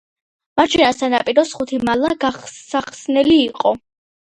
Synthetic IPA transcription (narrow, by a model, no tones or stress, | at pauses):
maɾt͡ʃʰɛnasanapʼiɾɔsχut̪ʰimalˠaɡaχsaχsnɛliːqʼɔ